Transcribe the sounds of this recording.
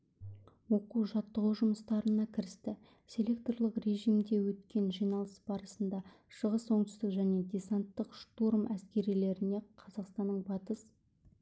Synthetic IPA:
wo̞quʒɑt̪ːəʁuʒʊməst̪ɑɾənɑkʲʰɪɾɪst̪ɪ | sʲe̞lʲe̞k̚t̪olˠəqre̞ʒijmd̪e̞wɵt̪kʲe̞nʒijnɑlˠəsb̥ɑɾəsənd̪ɑ | ʃəʁəso̞ɴt̪ʏ̥st̪ɪkʒæne̞d̪ʲe̞sant̪ːəqʃt̪oɾmʔæskʲe̞ɾijle̞ɾɪne̞qʰɑzɑqst̪ɑnːəɴbɑt̪əs

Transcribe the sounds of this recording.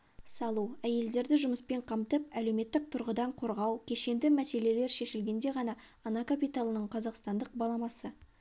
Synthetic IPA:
sɑlˠuæje̞ld̪e̞ɾd̪ɪʒʊməspe̞ɴqʰɑmt̪əpæle̞wme̞t̪ːɪk̚t̪ʰʊɾʁəd̪ɑɴqʰo̞ɾʁɑwkʲʰe̞ʃe̞nd̪ɪmæse̞le̞le̞ɾʃe̞ʃɪlɡʲe̞nd̪e̞ʁɑnɑː | nɑkapijt̪alˠənəɴqʰɑzɑqst̪ɑnd̪əq̚bɑlˠɑmɑsə

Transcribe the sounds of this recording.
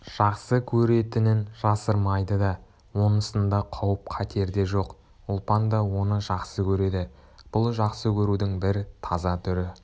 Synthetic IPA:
ʒ̥ɑqsəkʲʰɵɾe̞t̪ɪnɪnʒɑsəɾmɑjd̪əd̪ɑ | wo̞nnəst̪ənd̪ɑqʰɑwəp̚qʰɑt̪ʰe̞ɾd̪e̞ʒo̞q | ʊlˠpɑnd̪ɑwo̞nəʒɑqsəkʲʰɵɾe̞d̪ɪ | b̥ʊlˠʒɑqsəkʲʰɵɾud̪ɪŋbɪɾt̪ʰɑzɑt̪ʰʏɾɪ

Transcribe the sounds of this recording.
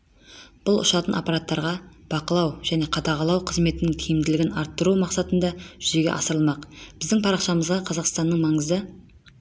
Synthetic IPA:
b̥ʊlˠʔʊ̰ʃɑt̪ənʔa̰pːɑɾat̪ːɑɾʁɑ | b̥ɑqəlˠɑwʒ̥æne̞qʰɑd̪ɑʁɑlˠɑwqʰəzme̞t̪ɪnɪŋt̪ʰijɪmd̪ɪlɪɡʲɪnɑɾt̪ːəɾumɑqsɑt̪ənd̪ɑʒʏze̞ɡʲe̞̰ʔɑsəɾəlˠmɑqb̥ɪzd̪ɪŋpʰɑɾɑqʃɑməzʁɑqʰɑzɑqst̪ɑnːəɴmɑɴəzə

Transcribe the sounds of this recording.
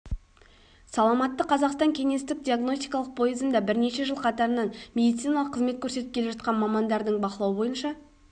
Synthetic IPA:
sɑlˠɑmɑt̪ːəqʰɑzɑqst̪ɑŋkʲʰe̞ŋe̞st̪ɪk̚d̪ʲiaɡno̞st̪ʲi̥jkɑlˠəq̚pʰo̞jezənd̪ɑbɪɾne̞ʃe̞ʒəlˠqʰɑt̪ɑɾənɑnmʲe̞d̪ijt̪sijnɑlˠəqʰːəzme̞t̪̚kʰʲɵɾse̞t̪ɪp̚kʲʰee̞ʒɑt̪̚qɑnmɑmɑnd̪ɑɾd̪əɴbɑqəlˠɑwəbo̞jənʃɑ

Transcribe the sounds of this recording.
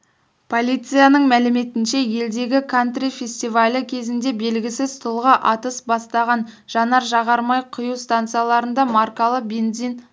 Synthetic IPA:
pʰo̞lʲijt̪sɨjanəɴmælɪme̞t̪ɪnʃe̞je̞ld̪e̞ɡʲɪkʰant̪rʲifʲe̞sʲt̪ijvalʲəkʲʰe̞zɪnd̪e̞be̞lɡʲɪsɪzt̪ʰʊlˠʁɑʔɑt̪əsbɑst̪ɑʁɑnʒ̥ɑnɑɾʒɑʁɑɾmɑjqʰʊjuwst̪ant̪sɨjalˠɑɾənd̪ɑmarkalˠəbe̞nd̪zijn

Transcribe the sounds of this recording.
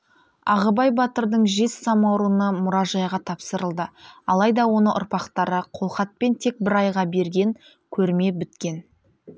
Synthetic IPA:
ɑʁəbɑjbɑt̪əɾd̪əɴʒe̞sːɑmɑwɾuənɑmʊɾɑʒɑjʁɑt̪ʰɑpsəɾəlˠd̪əɑlˠɑjd̪ɑwo̞nəʔʊ̰ɾpɑqt̪ɑɾəqʰo̞lˠχɑt̪̚pe̞nt̪ʰe̞k̚bɪɾɑjʁɑbe̞ɾɡʲe̞ŋ | kʲʰɵɾme̞bɪt̪kʲe̞n

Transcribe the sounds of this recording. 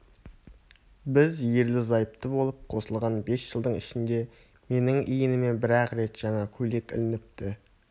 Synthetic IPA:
bɪzje̞ɾlɪzɑjəp̚t̪əbo̞lˠəp̚qʰo̞səlˠʁɑnbe̞sʒ̥əlˠd̪əɴɪʃɪnd̪e̞ | me̞nɪŋʔijɪnɪme̞nbɪɾæqɾe̞t̪ʒ̥ɑɴɑkʲʰɵle̞kʲɪ̰lɪnɪp̚t̪ɪ

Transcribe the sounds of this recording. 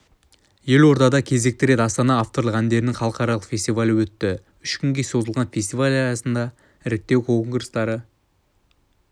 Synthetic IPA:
je̞lwo̞ɾt̪ɑd̪ɑkʲʰe̞ze̞k̚t̪ɪɾe̞t̪ɑst̪ɑnɑːft̪o̞ɾlˠəqænd̪e̞ɾɪnɪŋχɑlˠəqɑɾɑlˠəqfʲe̞sʲt̪ivalʲɪwɵt̪ːɪ | ʏʃkʲʰʏŋɡʲe̞so̞zəlˠʁɑnfʲe̞st̪ijvalʲɑjɑsənd̪ɑ | ɪɾk̚t̪ːe̞wkʰoŋɡɾst̪ɑɾə

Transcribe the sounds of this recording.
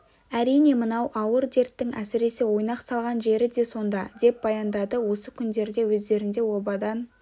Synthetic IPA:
æɾijne̞mənɑwʔɑwəɾd̪e̞ɾt̪ːɪŋæsɪɾe̞se̞wo̞jnɑqsɑlˠʁɑnʒe̞ɾɪd̪e̞so̞nd̪ɑd̪e̞p̚bɑjɑnd̪ɑd̪əwo̞səkʲʰʏnd̪e̞ɾd̪e̞wɵzd̪e̞ɾɪnd̪e̞wo̞bɑd̪ɑn

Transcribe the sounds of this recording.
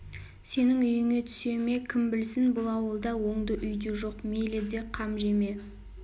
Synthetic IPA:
se̞nɪŋʏjɪŋe̞t̪ʰʏ̥se̞me̞kʲʰɪmbɪlsɪnbʊlˠɑwəlˠd̪ɑwo̞ɴd̪əʔʏjd̪eʒo̞qmeled̪e̞qʰɑmʒe̞me̞

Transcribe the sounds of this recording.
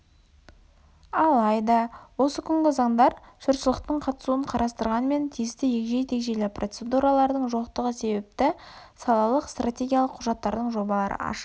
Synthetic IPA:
ɑlˠɑjd̪ɑwo̞səkʲʰʏŋɡʲɪzɑɴd̪ɑɾʃʊɾsəlˠəq̚t̪əɴqʰɑt̪ə̥suəɴqʰɑɾʔɑst̪əɾʁɑnme̞nt̪ʰijɪst̪ɪjekʒe̞jt̪ʰe̞kʒe̞lɪprʔo̞t̪se̞d̪uɾɑlˠɑɾd̪əɴʒoqt̪əʁəse̞bep̚t̪ɪsɑlˠɑlˠəqst̪ratʲe̞ɡʲijɑlˠəqʰːʊʒɑt̪ːɑɾd̪əɴʒo̞bɑlˠɑɾə̰ɑ̰ʃ

